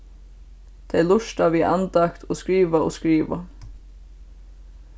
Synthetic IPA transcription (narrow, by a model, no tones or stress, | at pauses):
t̪ʰɛlʊʂt̪aʋiːʔa̰nt̪akt̪ʰoskɾiːʋao̰ːskɾiːʋa̰